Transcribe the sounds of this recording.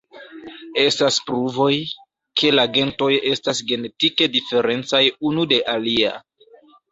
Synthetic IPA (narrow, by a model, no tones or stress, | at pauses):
e̞staspɾuvo̞j | kʰe̞laɡe̞nto̞je̞stasɡe̞ne̞tike̞dife̞ɾe̞nt͡sajunude̞ʔalia̰